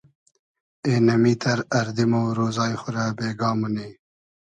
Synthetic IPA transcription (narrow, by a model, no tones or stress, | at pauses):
enɐmiːt̪ɐɾɐɾd̪imowɾoːzɑːjxʊɾabeːɡɑːmuneː